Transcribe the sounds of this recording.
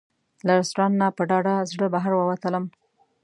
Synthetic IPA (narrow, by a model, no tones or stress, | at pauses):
laɾɪst̪ɾɑnːapəɖɑɖazɽəbaɦaɾwəwat̪ələm